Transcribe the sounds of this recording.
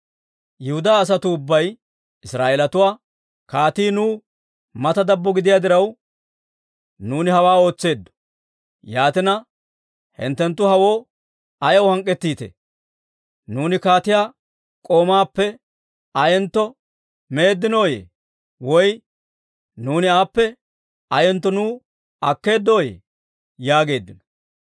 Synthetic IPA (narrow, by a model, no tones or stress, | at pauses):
jɪhʊd̪aːs̬ɐt̪ʊːbːɐj | ɪsɾaːʔelɐt̪ʊwaː | kaːt̪iːnuː | mɐt̪ɐd̪ɐbːɔɡɪd̪ɪjaːd̪ɪɾɐw | nuːnɪhɐwaːo̞ːt͡sːe̞ːd̪ːɔ̥ | jaːt̪ɪnɐ | hɪ̰nt̪ːɛnt̪ːʊhɐwo̞ː | ɐjɐwhɐŋkʼːɛt̪ːiːt̪ɛ̰ | nuːnɪkaːt̪ɪjaː | kʼo̞ːmaːpːɛ | ɐjɛnt̪ːɔ | me̞ːd̪ːɪno̞ːjḛ | wɔj | nuːnɪaːpːɛ | ɐjɛnt̪ːɔnuː | ɐkːe̞ːd̪ːo̞ːjḛ | jaːɡe̞ːd̪ːɪnɔ̥